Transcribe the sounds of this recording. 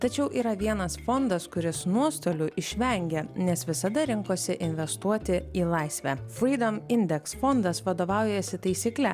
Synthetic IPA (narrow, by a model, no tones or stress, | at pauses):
t̪ɐt͡ʃʲɛʊʔiːɾɐʋʲiɛnɐsfɔnd̪ɐskʊɾʲɪsnuɔst̪oːlʲʊʔɪʃʲʋʲɛŋʲɡʲɛnʲɛsʋʲɪsɐd̪ɐɾʲɪŋkoːsʲɪʔɪnʲʋʲɛst̪uɔt̪ʲɪiːlˠɐɪsʲʋʲæːfɾʲiːd̪ɐmɪnʲd̪ʲɛksfɔnd̪ɐsʋɐd̪oːʋɑˑʊjɛsʲɪt̪ɐɪsʲiːklʲɛ